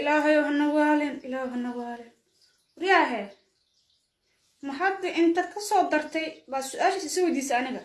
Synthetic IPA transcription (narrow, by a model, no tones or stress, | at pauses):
ʔɪlaːɦɐjɔɦɐnɐwaːlɪnɪlaːjɦɐnɐwaːlɪn | wʊɾɪjaɦɛː | mɐħɑɪʔɪnt̪ʰɐkʰɐsɔːd̪ɐrt̪ʰɛjbaːsʊʔaːlʃsɪsɔwɛjd̪iːsɐɐnɪɣɐ